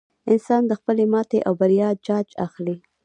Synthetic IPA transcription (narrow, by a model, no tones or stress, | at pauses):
ɪnsɑnd̪əxpəlemɑt̪eʔawbaɾjɑd͡ʒɑd͡ʒa̰xli